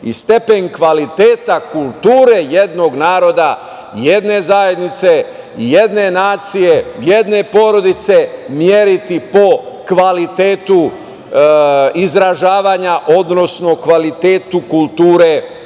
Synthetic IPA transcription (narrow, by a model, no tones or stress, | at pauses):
ḭst̪e̞pe̞ɲkʋalit̪eːt̪akulˠt̪uːɾe̞jed̪no̞ɡnaːɾo̞d̪a | jed̪ne̞zajed̪nit̪se̞ | jed̪ne̞naːt̪sije̞jed̪ne̞po̞ːɾo̞d̪it̪se̞mjeɾit̪ipo̞kʋalit̪eːt̪u | izɾaʒaːʋaːɲaʔo̞d̪no̞sno̞kʋalit̪eːt̪ukulˠt̪uːɾe̞